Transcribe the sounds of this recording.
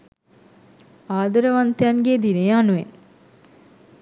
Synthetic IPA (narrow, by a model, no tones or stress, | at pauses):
aːd̪əɾəʋant̪ejanɡeːd̪inejanuʋḛn